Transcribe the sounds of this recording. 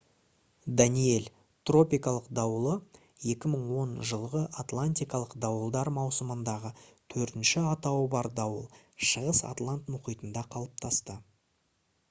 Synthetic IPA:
d̪anije̞l | t̪ro̞pijkɑlˠəqd̪ɑwəlˠə | je̞kʲɪməɴwo̞nʒəlˠʁəʔat̪lˠanʲt̪ʲijkɑlˠəqd̪ɑwəlˠd̪ɑɾmɑwsəmənd̪ɑʁət̪ʰɵɾt̪ɪnʃɪɑt̪ɑwəbɑɾd̪ɑwə̰lˠʃəʁəsa̰t̪lˠant̪mʊqijt̪ənd̪ɑqʰɑlˠəp̚t̪ʰɑst̪ə

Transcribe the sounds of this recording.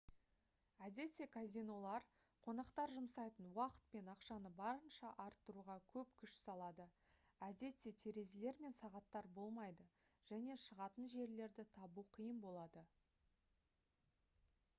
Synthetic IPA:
æd̪e̞t̪se̞kʰazʲijno̞lˠɑɾ | qʰo̞nɑqt̪ɑɾʒʊmsɑjt̪ənwɑqə̥t̪̚pe̞nɑqʃɑnəbɑɾənʃɑʔɑɾt̪ːəɾuʁɑkʲʰɵp̚kʲʰʏʃsɑlˠɑd̪ə | æd̪e̞t̪se̞t̪ʰeɾe̞zele̞ɾme̞nsɑʁɑt̪ːɑɾbo̞lˠmɑjd̪ə | ʒ̥æne̞ʃəʁɑt̪ənʒe̞ɾle̞ɾd̪ɪt̪ʰɑbuqʰəjəmbo̞lˠɑd̪ə

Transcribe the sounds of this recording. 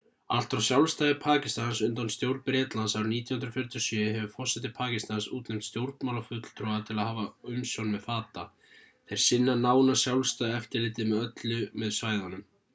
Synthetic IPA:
a̰l̥t̪ɾawsjawlst̪aːðɪpʰaːcɪst̪ansʏnt̪anst̪jowɾt̪̚pɾɛːt̪lansawɾʏniːt̪janhʏnɾfjɛɾt̪jɔsjʏːɦɛvʏfɔ̥sɛt̪̬ɪpʰaːcɪst̪ansuːt̪nɛm̥t̪st̪jowɾt̪mawlafʏt̪l̥t̪ʰɾɔat̪ʰɪlaðhaːvaʏmsjɔwnmɛðfaːt̪a | θejɾ̥sɪnːanaːwnasjawlst̪aːðɪɛft̪ɪɾlɪːt̪ɪmɛðœt̪lʏmɛðsvaːjðanʏm

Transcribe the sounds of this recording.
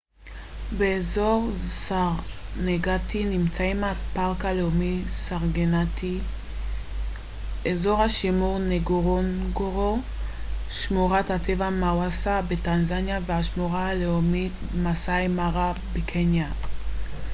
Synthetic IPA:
beːzoʁsaʁneɡatinimt͡saimapaʁkaleomisaʁɡenati | ezo̞ʁhaʃimuʁneɡoʁonɡoʁo | ʃmuʁathatevamawasabetanzanjavehaʃmuʁahaleomitmasajmaʁabekʰenja

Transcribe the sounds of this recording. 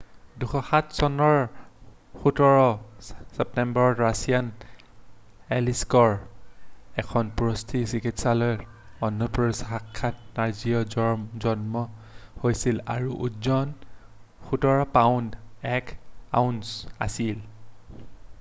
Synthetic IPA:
duxʰɔxatʰsɔnɔɹ | xutɔɹɔsɛp̚tɛmbɔɹɔtɹasian | ɛliskɔɹ | ɛkʰɔnpuɹostʰisikʰitsalɔj | ɔnːɔpsakʰːat̚naɹziɔzɔnmɔhojsila̰ɹuʔutzɔn | xutɔɹɔpaʊndɛka̰unsa̰sil

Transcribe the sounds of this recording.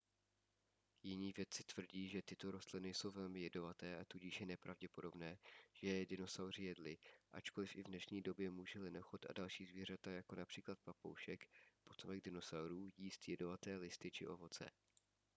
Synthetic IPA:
jɪɲiːvjɛt̪t͡sɪ̥t̪v̥r̩ɟiːʒɛt̪ɪt̪o̞ɾo̞st̪lɪnɪso̞wvɛlmɪjɛdno̞vat̪ɛːʔat̪uɟɪʃjɛnɛpɾʔavɟɛpo̞do̞bnɛːʒ̥ɛjɛdɪno̞sawr̝ɪjɛdlɪʔa̰t͡ʃko̞lɪfɪvnɛʃɲiːdo̞bjɛmuːʒɛlɪnoxot̪a̰dalʃiːzviːr̝at̪ajako̞napr̝̥iːklat̪̚papo̰wʃɛkpot̪omɛɡ̚dɪno̞sawɾuːjiːst̪jɛdo̞vat̪ɛːlɪst̪ɪt͡ʃɪʔo̞vo̞t͡sɛ̰

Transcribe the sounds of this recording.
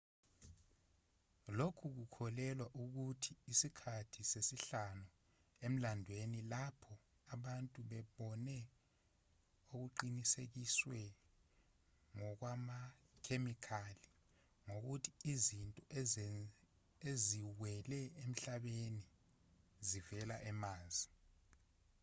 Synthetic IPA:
lokʰuk̬ukʰɔlɛlwaʔuk̬utʰiːsikʰatʰisesiɬanu | em̩landʱwenilapʰɔ | aɓantʼuɓɛɓɔnɛ | ok̬uǃinisek̬iswɛ | ŋɔk̬wama | kʰemikʰali | ŋok̬utʰiizintʼɔ | eziwɛlɛem̩ɬaɓeni | zivɛlaʔɛmaːzi

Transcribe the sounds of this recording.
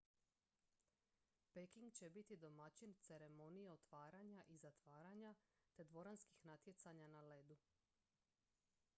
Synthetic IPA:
pekiŋɡt͡ɕe̞bit̪id̪o̞mat͡ɕint̪se̞ɾe̞mo̞nijeo̞t̪ʋaːɾaɲaʔizat̪ʋaːɾaɲat̪e̞d̪ʋo̞ɾanski̥xnat̪jet̪saɲanaled̪u

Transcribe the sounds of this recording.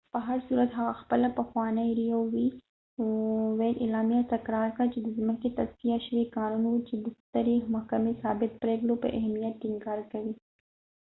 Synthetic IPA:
pəɦɐɾsuːɾɐt̪ɦɐɣaxpəlapɐxwɑːnajɾijowi | welʔɪlɑːmijat̪ɐkɾɑːɾkat͡ʃed̪əzməket̪ɐskijaʃɾikɑːnunwut͡ʃed̪ɪst̪əɾimʊhkɐmesɑːbɪt̪̚pɾeːɡlopə̰ʔɐɦmijɐt̪̚kɪŋɡɑːɾkɐwi

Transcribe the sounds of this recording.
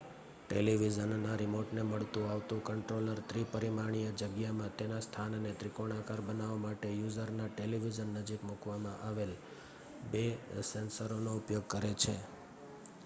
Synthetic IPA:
ʈeliʋid͡ʒənːaɾimoʈneməɭt̪ũaʋt̪ũkəɳʈɾoləɾt̪ɾipəɾimaɳ̃ijəd͡ʒəɡjamãt̪enast̪ʰanənet̪ɾikoɽ̃akaɾbənaʋomaʈejuzəɾnaʈeliʋid͡ʒənːəd͡ʒikmukʋamãʔaʋel | besensəɾonoʊpjoɡ̚kəɾet͡ʃʰe

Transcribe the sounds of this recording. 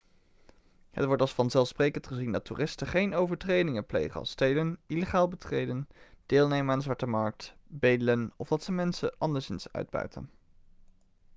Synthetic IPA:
hə̰tʋɔɹtɑlˠsfɑnzɛlˠfsprejkəntχəzindɑtṵːrɪstəχejnowvəɹtrejdɪŋəplḛjχənɑ̰lˠstejdənileχaːlˠbətrejdənd̥ɪːlˠnejmənanzʋɑɹtəmɑɹk̚tbejdələnɔvdɑtsəmɛnsə̰ʔɑndəɹsɪnsœ̰ɥd̚bœ̰ɥtə̰n

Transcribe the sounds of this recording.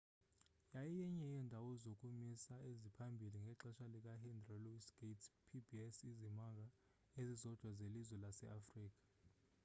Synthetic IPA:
jajijɛɲɛjɛndʱawɔzokʼumisaezipʰambʱiliŋɡʱɛǁɛʃalik̬ʼahɛndrɔluisɡ̥etʰpʰibʱiɛsizimak̬ʼa | ezizɔd̥ʱwazelizwɛlasɛ̰ʔafriːk̬ʼḁ

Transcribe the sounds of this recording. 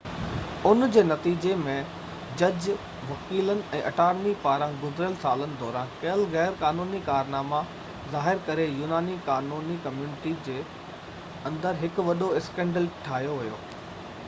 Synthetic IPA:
ʊnd͡ʑeːnɐt̪iːd͡ʑemẽ | d͡ʑɐd͡ʑ | ʋɐkiːlənɪ̆ɛ̃ːʔɐʈaːɾnipaːɾãɡʊzɾəlsaːlənɪ̆d̪ɔːɾãːkeəlɣɛːɾkaːnuːnikaːɾnaːma | zaːɦɪɾkɐɾejuːnaːnikaːnuːnikɐmjuːnɪʈid͡ʑeː | ɐ̃nd̪əɾɦɪkʊʋɐɗoɪskɛ̃ːɳɖəlʈʰaːɦijoʋʊjo̰ː

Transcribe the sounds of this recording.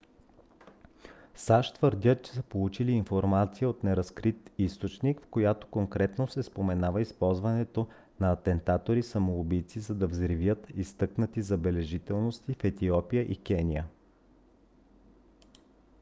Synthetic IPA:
saʃt̪vəɾd̪ʲət͡ʃɛ̥səpolˠut͡ʃiliːnfoɾmat̪sijəot̪nɛɾɐskɾit̪ist̪ot͡ʃnikfkojat̪o̥koŋkɾɛt̪nosɛspomɛnavəispɔlˠzvɐnɛt̪o | nɐːt̪ɛnt̪at̪oɾisɐmoobijt̪sizɐd̪ɐvzɾivjət̪ist̪ɤknət̪izɐbɛlɛʒit̪ɛlˠnost̪ifɛt̪iɔpijəʔikɛnʲijə

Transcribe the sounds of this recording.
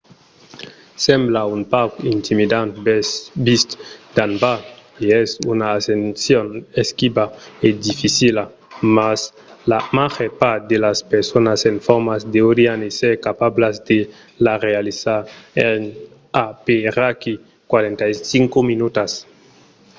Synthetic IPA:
sɛmblaunpawkint̪imid̪ant̪bist̪d̪anbaeɛsunaːsensjoneskibaed̪ifisila | mas | lamaxepad̪elaspeɾsonasenfɔɾmazd̪eoɾianeseɾkapablazd̪e | larealizaen | apeɾaki | kwaɾent̪ajsiŋkuminut̪as

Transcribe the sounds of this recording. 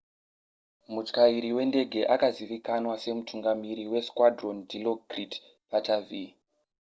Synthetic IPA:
mut͡ʃkaiɾiwe̞nde̞ɡʱe̞ʔakaziʋikanwase̞mutʰuŋɡamiɾiwe̞skwadrondʱilokrit | patavi

